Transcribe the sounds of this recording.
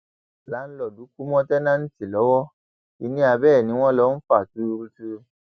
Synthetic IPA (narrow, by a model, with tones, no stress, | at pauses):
la˨˦n̩˦lɔ˦˨du˨˦ku˦mɔ̃˦tɛ˦nã˦n̩˦ti˨lɔ˨˦wɔ˦ | i˧nĩ˦a˧bɛː˦˨nĩ˧˦w̃ɔ̃˦lɔ˧˦n̩˦fa˨tu˨˦˧ɾu˧tu˧